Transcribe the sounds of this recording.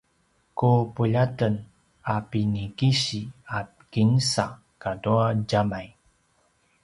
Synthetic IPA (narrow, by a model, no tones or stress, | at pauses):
kupuʎatən | apinikiɕia | kinsa | kaduaɟamaj